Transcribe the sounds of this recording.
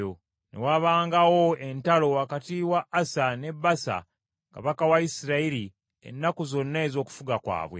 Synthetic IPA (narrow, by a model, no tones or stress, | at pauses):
o | nḛwaβaːŋɡawoe̞ntalo̞akatiwaʔːsane̞basa̰ | ka̰βakawaisiɾaiɾi | ḛnːakuzo̞nːeezo̞ːku̥fuɡakwa̰ːβwe̞̰